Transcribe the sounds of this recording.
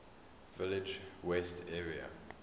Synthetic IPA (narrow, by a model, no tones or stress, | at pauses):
vɪlɪd͡ʒwɛstʰɛːɹiə̰